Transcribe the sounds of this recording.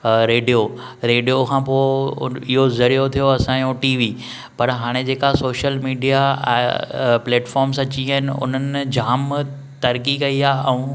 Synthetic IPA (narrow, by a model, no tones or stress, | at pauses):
ɾeːɖijo | ɾeːɖijokʰãːpoːɪɦozɐɽijot̪ʰijoɐsãjõʈiːʋiː | pɐɾɦaːɽ̃ed͡ʑeːkasoːʃəlmiːɖija̰ | pleːʈfɔːɾmsɐt͡ɕiɦəɦɪnɪ̆ʊ̰n̤ənɪd͡ʑaːm | t̪ɐɾkikɐiaːɛ̃ũ